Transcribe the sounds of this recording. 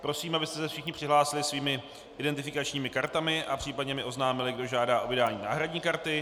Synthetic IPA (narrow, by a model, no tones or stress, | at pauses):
pɾo̞siːmabɪst̪ɛsɛfʃɪxɲɪpr̥ɪɦlaːsɪlɪsviːmɪ | ʔɪdɛnt̪ɪfɪkat͡ʃɲiːmɪkaɾt̪amɪʔapr̥iːpadɲɛmɪʔo̞znaːmɪlɪɡdo̞ʒaːdaːʔo̞vɪdaːɲiːna̰ːɦɾadɲiːkaɾt̪ɪ